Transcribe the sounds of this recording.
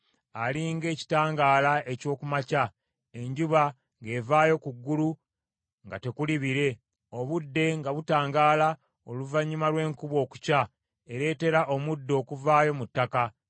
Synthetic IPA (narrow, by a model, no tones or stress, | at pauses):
aliŋɡe̞ːci̥taːŋɡaːlae̞co̞ːkumaca | e̞ɲɟuβa | ŋɡe̞ːvaːjo̞kuɡːulu | ŋɡate̞kuliβiɾe̞ | o̞βudːe̞ŋɡaβutaːŋɡaːla | o̞luvaɲːumalwe̞ːŋkuβo̞ːku̥ca | eɾe̞ːte̞ɾaʔo̞mudːo̞ːkuvaːjo̞mutːaka